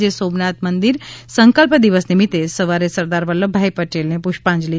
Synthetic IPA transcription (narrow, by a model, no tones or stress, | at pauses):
d͡ʒesoːbnat̪mənd̪iɾsə̃ŋkəlpd̪iʋəsnimit̪esəʋaɾesɐɾd̪aːɾʋəlːobʱaːipəʈeːlnẽpuʃpãːnd͡ʒli